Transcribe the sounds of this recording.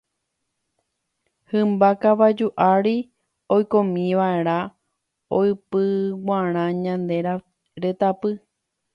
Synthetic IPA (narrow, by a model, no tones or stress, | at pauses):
hɨ̃mbakaʋad͡ʒuʔaɾi | ojkõmĩʋae̞ɾ̃ã | oɨpɨwʷaɾ̃ãɲãnd̪eɾa | ɾet̪apɨ